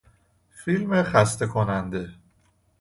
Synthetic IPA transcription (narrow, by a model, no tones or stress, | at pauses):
filmeχæst̪e̞kʰonænd̪e̞